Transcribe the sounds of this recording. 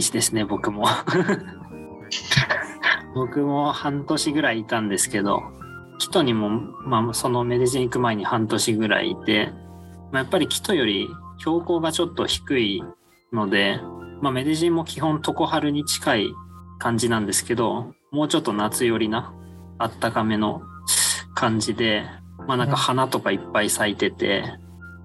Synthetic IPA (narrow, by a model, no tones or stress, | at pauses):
ɕid̪e̞sɨne̞bo̞kɯ̟mo̞ | bo̞kɯ̟mo̞hãnt̪o̞ɕiɡɯ̟ɾaiːt̪ãnd̪e̞sɨ̥ke̞d̪o̞̰ | kʲi̥t̪o̞ɲ̟imo̞maso̞no̞me̞d̪eʑĩɰ̃ikɯ̟mae̞ɲ̟ihãnt̪o̞ɕiɡɯ̟ɾa̰ḭːt̪e̞ | majapːaɾʲikʲi̥t̪o̞jo̞ɾʲi | çʲo̞ːko̞ːɡat͡ɕo̞t̪ːo̞çi̥kɯ̟i | no̞d̪e̞mame̞d̪e̞ʑĩmmːo̞kʲiɦõ̞nt̪o̞ko̞haɾɯ̟ɲ̟it͡ɕi̥kaikãɲ̟d͡ʑinãnd̪e̞sɨ̥ke̞d̪o̞ | mo̞ːt͡ɕo̞t̪ːo̞nat͡sɨjo̞ɾʲina | at̪ːakame̞no̞ | kʰãɲ̟d͡ʑid̪e̞ | manãŋkahanat̪o̞kaipːaisait̪e̞t̪e̞̰